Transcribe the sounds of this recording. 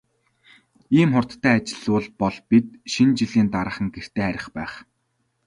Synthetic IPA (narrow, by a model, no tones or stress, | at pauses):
iːmχʊrt̪ʰːæːat͡ɕɪ̆ɮʊːɮpɔɮpit̪̚ʃint͡ɕiɮiːnt̪aɾə̆χə̆ŋɡer̥t̪ʰeːæɾʲɪ̆χpæːχ